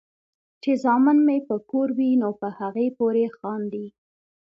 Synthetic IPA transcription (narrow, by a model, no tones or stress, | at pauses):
t͡ʃezɑmənmepəkoɾwinopəhaɣepoɾexɑnd̪i